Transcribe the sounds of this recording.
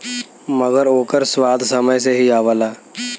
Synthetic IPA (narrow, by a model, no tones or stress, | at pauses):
məɡəɾoːkəɾswaːd̪ʱsəməjseɦiaːʋəlaː